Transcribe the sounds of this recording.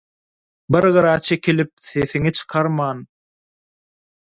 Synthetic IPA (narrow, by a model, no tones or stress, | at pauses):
bɨɾʁɯɾɑt͡ʃʰe̞kʰilip̚θeθiŋit͡ʃʰɯ̥qʰɑɾmɑːn